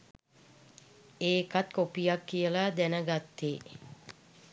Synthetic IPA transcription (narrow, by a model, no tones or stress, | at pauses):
eːkat̪kopijakːijəlad̪ænəɡat̪ːe